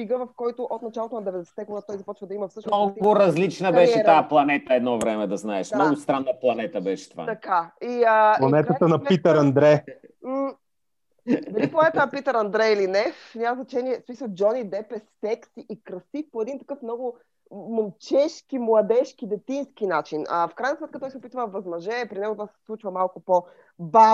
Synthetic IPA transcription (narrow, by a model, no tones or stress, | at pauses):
iɡəvɐfkɔjt̪ʊʔot̪̚nɐt͡ʃalˠot̪onɐd̪ɛvɛd̪ɛsɛ̥t̪ɛɡod̪at̪ɔjzɐpɔt͡ʃvəd̪ɐiməfsɤʃnɔɡʊɾɐzlit͡ʃnəbɛʃɛt̪aplˠɐnɛt̪əɛd̪nɔvɾɛmɛd̪ɐznaɛʃmmnɔɡʊst̪ɾanːɐplˠɐnɛt̪əbɛʃɛ̥t̪ova̰t̪ɐkaiəplˠɐnɛt̪ət̪ənɐpit̪əɾɐnd̪ɾɛ | d̪ɐɾiplˠɐnɛt̪ənɐpit̪əɾɐnd̪ɾɛilinɛfnʲaməznɐt͡ʃɛniɛsmisəlˠd͡ʒɔnid̪ɛpɛsːɛksiʔikɾɐsipoɛd̪int̪ɐkɤfmnɔɡʊ | momt͡ʃɛʃkimlˠɐd̪ɛʃk̟id̪ɛt̪insk̟inat͡ʃinəfkɾajnɐsmɛt̪kət̪ɔjsɛopit̪vəvɐzmɐʒɛpɾinɛɡot̪ovasɛ̥slˠut͡ʃvɐmalˠkʊpo | ba